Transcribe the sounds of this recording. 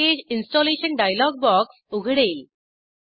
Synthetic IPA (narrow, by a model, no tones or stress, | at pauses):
ed͡ʑinsʈɔleɕənɖajlɔɡ̚bɔksuɡʱɽeːl